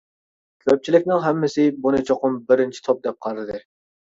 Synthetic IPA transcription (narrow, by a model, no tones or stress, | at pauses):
øp̚t͡ʃʰilɪkʲnɪŋɦɛmːɪsɪbunɨt͡ʃʰoqʊmbɪɾɪnt͡ʃʰi̥t̪ʰop̚d̪ɛp̚qʰɑɾɨd̪ɨ